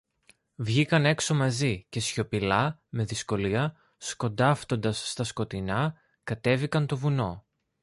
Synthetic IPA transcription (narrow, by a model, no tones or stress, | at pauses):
vʝikɐne̞kso̞mɐzice̞sço̞pilɐme̞ðisko̞liɐ | sko̞nd̪ɐft̪o̞nd̪ɐsːt̪ɐsko̞t̪inɐ | kɐt̪e̞vikɐnt̪o̞vuno̞